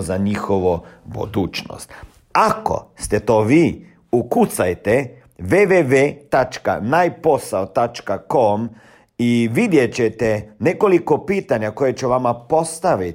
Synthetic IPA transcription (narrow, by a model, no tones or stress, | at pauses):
zaɲixoʋobṵd̪uːt͡ʃno̰st̪ | ako̞̰st̪ɛt̪oːʋiː | ukut̪sajt̪e | ʋeʋeʋet̪at͡ʃka̰najpo̞saot̪at͡ʃkakom | iʋid̪jet͡ɕet̪eneko̞likopiːt̪aɲakojet͡ʃuʋamapo̞st̪aʋit